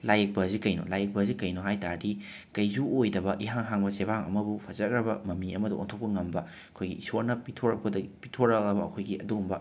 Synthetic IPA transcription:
lajek̚pɐzikɐjno̰lajek̚pɐzikɐjnoɦajtaɾdi | kɐjzuojdɐbɐʔiɦaŋɦaŋbɐsebaŋɐ̰mɐbupʰɐzɐk̚ɾɐbɐmɐmniɐmɐduo̰ntʰok̚pɐŋɐmbɐ | ɐkʰojɡḭisoɾnɐpitʰoɾɐk̚pɐdɐpitʰoɾɐk̚lɐbɐɐkʰojɡiɐduumbɐ

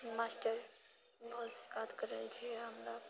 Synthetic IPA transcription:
masʈəɾ | bɔɦʊt̪sikaːt̪kəɾelt͡ʃʰiɛɦəmɾa

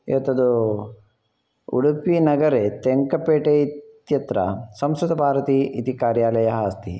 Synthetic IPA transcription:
iʋɐt̪ːɐd̪u | ṵɽupinɐɡɐɾet̪eŋkɐpeːʈeit̪jɐt̪ɾɐ̰sɐmsɾut̪ɐbʱaːɾɐt̪iʔit̪ikaːɾjaːlɐjɐɦɐːst̪ḭ

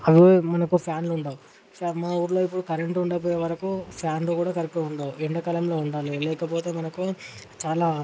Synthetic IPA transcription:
ɐʋimɐnɐkupʰjaːnluɳɖaːu | maːuːɾlo̞ːipːuɽukɐɾeɳʈuɳɖɐp̬oːjeːʋɐɾɐkupʰjaːnloːkuːɽaːkɐɾɐkːeuɳɖaːuiɳɖɐkɐlɐmlo̞ːuɳɖaːlilɛːkɐpoːt̪e̞ːmɐnɐku | t͡ʃaːlaː

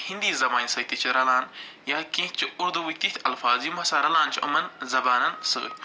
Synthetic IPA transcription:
hĩnd̪iːzɐmaːnisɐt̪it͡ʃʰiɾɐlaːn | jaːkẽːt͡ʃʰiuɾd̪uʋikt̪it̪ʰʲɐlfaːzjumɐsaɾɐlaːnt͡ʃʰʔɐ̰mɐnzɐbaːnɐnsɨ̰ː

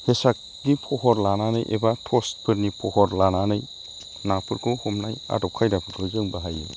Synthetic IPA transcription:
hesak̚ | nipʰɔhɔɾlananɯjʔḛbatʰɔstpʰɯɾnipʰɔhɔɾlananɯj | napʰɯɾkʰɔhɔmnaja̰dɔp̚kʰajdapʰɯɾkʰɔzɯŋbaɦajɯ̰

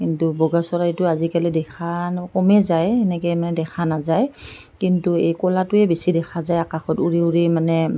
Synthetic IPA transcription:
kintubɔɡasɔɹaitʊazikalidɛkʰakɔmɛzajɛnɛkɛjmanɛdɛkʰanazaj | kintuejkɔlatʊɛbesidɛkʰazajakaxɔtuɹiuɹimanɛ

